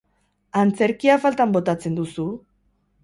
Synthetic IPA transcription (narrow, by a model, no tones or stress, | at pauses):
ant͡se̞ɾkiafalt̪ambo̞t̪at͡se̞nd̪usu